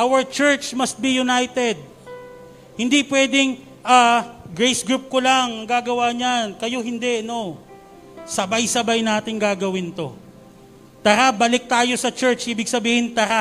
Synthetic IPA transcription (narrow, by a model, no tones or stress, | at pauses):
ʔawɐɹt͡ʃɛɹt͡ʃmɐst̪̚bijʊnajt̪ɛd̪̚ | hɪnd̪ipwɛd̪ɪŋ | ʔaɡɹejsɡɹup̚kolaŋɡaːɡɐwaːɲankɐjo̞ɦɪnd̪ɛʔɐno | sɐbajsɐbajnaːt̪ɪŋɡaːɡɐwɪnt̪o̞ | t̪ɐɾabɐlɪk̚t̪aːjo̞sɐt͡ʃɛɹt͡ʃʔiːbɪɡ̚sɐbiːhɪnt̪ɐɾa